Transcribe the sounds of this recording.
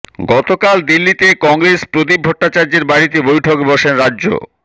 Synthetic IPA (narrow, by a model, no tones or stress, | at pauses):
ɡɔt̪okald̪ilːit̪ekɔŋɾespɾod̪ib̚ʱɔʈːat͡ɕaɾd͡ʑeɾbaɽit̪ebojʈʰokebɔʃenɾadːʑo̰